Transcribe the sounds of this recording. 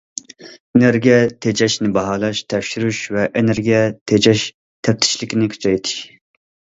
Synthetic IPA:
eneɾɡʲiɛt̪ʰed͡ʒɛʃnɪbɑɦɑːlˠɑʃt̪ʰɛfʃyɾyʃvɛʔeneɾɡʲijɛt̪ʰed͡ʒɛʃ | t̪ʰɛp̚t̪ʰɪ̥ʃlɪkʲinɪkʲʰy̥t͡ʃʰɑjt̪ʰɪ̥ʃ

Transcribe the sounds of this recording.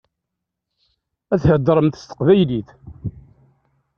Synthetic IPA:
æθhəd̪ːɾˤəmt̪ə̥st̪ə̥qvæjliθ

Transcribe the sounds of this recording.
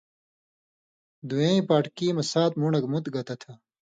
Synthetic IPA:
d̪uẽːĩpaːʈkiːmɐsaːt̪̚muɳɐkmut̪ɡɐt̪ɐt̪ʰɐ

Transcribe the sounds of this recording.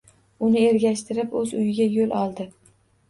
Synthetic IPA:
ʊnɪe̞ɾɡʲaʃt̪ʰɪɾɪpɵzʊjɪɡʲajolɒlˠd̪ɪ

